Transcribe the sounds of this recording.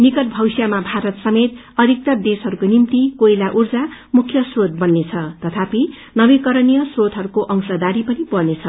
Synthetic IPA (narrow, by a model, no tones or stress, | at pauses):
nikʌʈ̚bʱʌwsjamabʱaɾʌt̪sʌmet̪ | ʌd̪ʱik̚t̪ʌrd̪esɦʌɾukonimt̪ikoilaʔurd͡zamukʰjʌsrot̪̚bʌnːet͡sʰʌt̪ʌt̪ʰapi | nʌbekʌɾʌnijʌsrot̪ɦʌɾukoʔʌŋsʌd̪aɾipʌnipʌrnet͡sʰʌ